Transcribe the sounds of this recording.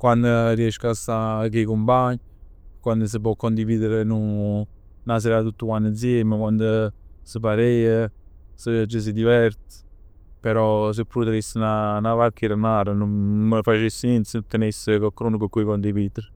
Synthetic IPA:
kwand̪ərjɛʃkasakekumpaɲ | kwand̪əs̬əp̬ɔkːɔnd̪iviːd̪əɾənu | nas̬ɛɾat̪ut̪ːukwanəzjeməkwand̪əsəpaɾejəsəd͡ʒəs̬id̪ivɛɾt̪ | pɛɾɔs̬əpːɾut̪əɾisnanavakʰːiɾənaɾənunməfat͡ʃesːinint̪sət̪ːənesəkɔkːɾunkəkːuikɔnd̪ivid̪əɾ

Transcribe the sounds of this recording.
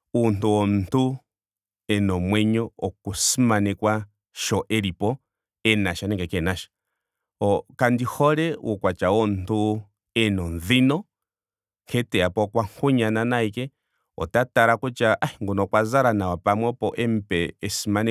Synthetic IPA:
untuwɔnntu | ɛnɔmwɛɲɔɔkusimanɛkwa | ʃɔʔɛɾipɔ | ɛnaʃanɛŋɡɛkɛnaʃḁ | ɔkandihɔɾɛwukwat͡ʃawɔntu | ɛnɔnðinɔ | kʰɛtɛapɔkwaŋ̥kʰuɲananaikɛ | ɔ̰tataɾakut͡ʃaʔahiŋɡɔnɔkwazaɾanawapamwɛpɔʔɛm̩pɛɛsimanɛ

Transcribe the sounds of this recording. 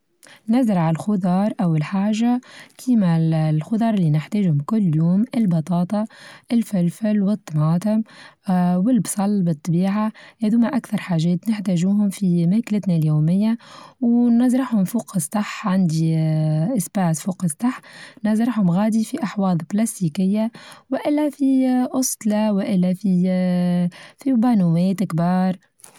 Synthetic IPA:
næzɪɾʕalxʊd̪ˤɑːɾˤʔawɪlħaːʒakʰiːmalxʊd̪ˤɑːɾˤlːinɪħt̪ɛːʒhʊmkʊlːjuːmɪlbɑt̪ˤɑːt̪ˤɑʔɪlfɪlfɪlwɨt̪ˤːɑmɑːt̪ʊm | wɪlbsˤɑlːbɨt̪ˤːɑbiːʕahed̪uːmaʔakθɑɾˤħaːʒɛːt̪nɪħt̪æʒuːɦʊmfimæːkɪlɪt̪naljuːmɪjːawnɑzɾˤɑħhʊmfuːqɪsˤːɑħʕand̪iʔɪsbaːt̪fuːqɪsˤɑħnɑzɾɑħhʊmɣaːd̪ifiʔɑħwɑːd̪ˤplast̪iːkɪjːawɪʔɪlːæfiʔʊst̪lɑwɪʔɪlːæfi | fibɑːnumɛːt̪ɪkbɑːɾˤ

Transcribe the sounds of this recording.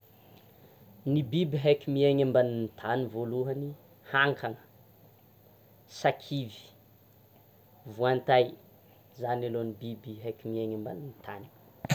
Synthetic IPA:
nibibiɦakʲimieɲambanint̪ʰanivoluɦəni | haŋkʰaŋə | sakʰivi̥ | vuant̪aj | zanalonibibiɦakʲimieɲamba̰nint̪ʰani̥

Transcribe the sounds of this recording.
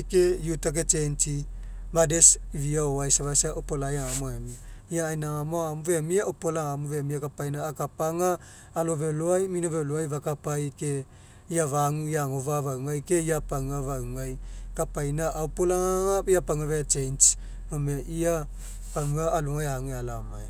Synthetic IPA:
kejutak̬et͡ʃent͡ʃi | madesiviaoajsaβasaopolajaŋamoemiaiaːjnaŋamoaamuvemiaopolaŋamuvemiakapajnaːkapaŋaː | loveloajminoveloajvakapajke | iavaŋujaŋovavawŋajkeiapaŋavauŋajkapajnaʔaopolaŋaŋaiapaŋavet͡ʃejnt͡ʃ | momeʔia | paŋaːluŋajaŋealamaj

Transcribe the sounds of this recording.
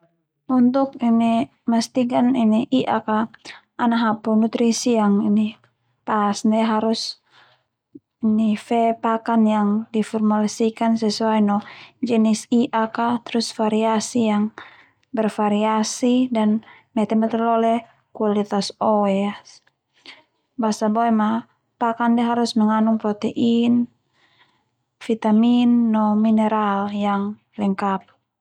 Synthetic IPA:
unt̪ʊk̚ini | məst̪ikaniniʔiʔaka | anaɦapunut̪ɾisijaŋini | pasnɛɦaɾus | inifɛpakanjaŋdifɔrmalsikansɛsuajnɔd͡ʒɛnisiʔakat̪ɾusfaɾiasijaŋ | bɛrfaɾiasidan | mɛt̪ɛmɛt̪ɛrlɔlɛ | kualit̪asɔwɛa | basabɔɛma | pakandɛɦaɾusmɛŋanuŋpɾɔt̪ɛʔin | fit̪aminːɔminɛɾaljaŋ | lɛŋkap̚

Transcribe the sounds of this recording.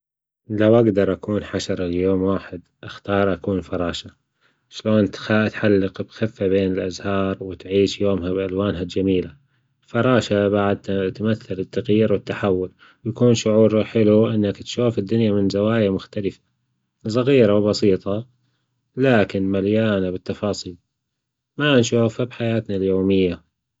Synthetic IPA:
lawʔaɡd̪ɑɾˤʔakuːnħaʃɑɾˤljoːmwaːħɪd̪ʔaxt̪ɑːɾˤʔakuːnfɑɾˤɑːʃa | ʃloːnt̪at̪ħalːɪqbxɪfːabeːnɪlʔazhɑːɾˤwɪt̪ʕiːʃjoːmɦabʔalwaːnɦad͡ʒamiːla | fɑɾˤɑːʃabaʕad̪̚t̪maθːalɪt̪ːaɣjiːɾwɪt̪ːaħawːʊl | wjakuːnʃʊʕuːɾħɪluʔɪnːakt̪ʃuːfɪd̪ːʊnjamɪnzawaːjamʊxt̪alɪfḁ | s̬ˤɑɣiːɾawbɑsˤiːt̪ˤɑ | laːkɪnmaljaːnabɪt̪ːɑfɑːsˤiːl | manʃuːfhabħajaːt̪naljoːmɪjːa

